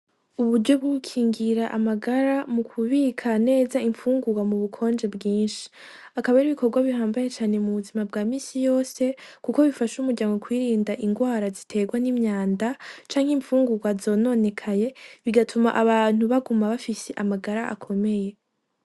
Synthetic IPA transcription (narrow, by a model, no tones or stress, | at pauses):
uβuɾɟo̞b̚ɡukʰiːŋɡiɾaʔamaɡaɾamukʰuβikʰane̞ːzaiɱfuːŋɡuɡwamuβukʰo̞ːnd͡ʒe̞bɡiːnʃi̥ | akaβaɾiβiko̞ɾɡwaβihaːmbajet͡ʃaːne̞muβuzimabɡaːmiːsijo̞ːse̞kuko̞βifaʃumuɾɟaːŋɡokwiːɾiːndaʔiŋɡwaːɾazitʰe̞ɡwanimɲaːndat͡ʃaːŋhiɱfuːŋɡuɡwazo̞ːno̞ːne̞kʰaje̞βiɡatʰuma̰ʔaβaːn̥uβaɡumaβafise̞ʔamaɡaɾaʔa̰kʰo̞me̞je̞